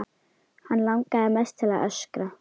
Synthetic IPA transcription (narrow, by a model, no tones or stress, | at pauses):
hanlaŋkaɛmɛst̪ʰɪlaʔœskɾa